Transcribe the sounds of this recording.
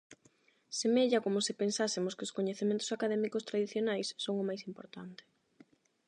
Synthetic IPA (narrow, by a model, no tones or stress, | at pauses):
semeʎɐkomʊsɪpensasɪmʊskɪʊskoɲeθemẽnt̪ʊ̥sakaðɛmikʊst̪ɾaðiθjonajsːoŋʊmajsimpo̰ɾt̪ant̪ɪ̥